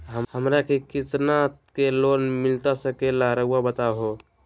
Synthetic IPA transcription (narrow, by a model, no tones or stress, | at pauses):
ɦəhəmɾakekit͡ʃnat̪kelonmilt̪asəkelaɾəuabət̪aɦo